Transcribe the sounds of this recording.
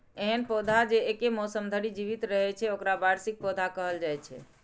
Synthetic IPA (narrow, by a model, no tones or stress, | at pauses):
eɦənpod̪ʱad͡ʒeːkemɔsəmd̪ʱəɽid͡ʒiβit̪ɾəɦɛt͡ʃʰɛokɾabaɾsik̚pod̪ʱakəɦəld͡ʒajt͡ʃʰɛ̰